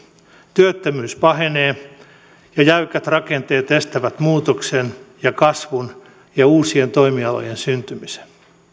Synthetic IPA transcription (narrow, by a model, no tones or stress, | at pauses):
t̪yøt̪ːømyːspɑɦeneː | jɑjæykæt̪rɑkent̪eːt̪est̪æʋæt̪muːt̪oksenjɑkɑsʋun | jɑuːsie̞nt̪o̞imiɑlo̰jensynt̪ymise̥n